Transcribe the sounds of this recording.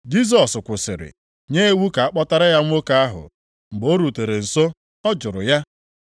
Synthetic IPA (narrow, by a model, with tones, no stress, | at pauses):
d͡ʒi˦s̬ɔ˨skʷʊ˨sɪ̰˨ɾɪ̰˨ | ɲe˦wu˦ka˨a˦k͡pɔ˦ta˦ɾa˦ja˦ŋ̩˦o˦ka˦a˦ɦʊ̰˨ | ŋ͡m̩˨ɡ͡bo˦ɾu˨te˨ɾe˨n̩˨so˦ | ɔ˦d͡ʒʊ˨ɾʊ̰˨ja˦